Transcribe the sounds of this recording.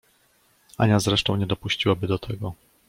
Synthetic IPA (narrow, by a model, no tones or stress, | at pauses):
a̰ɲazɾɛʂt̪ɔ̃w̃ɲɛd̪ɔpuɕt͡ɕiwabɘd̪ɔt̪ʰɛɡɔ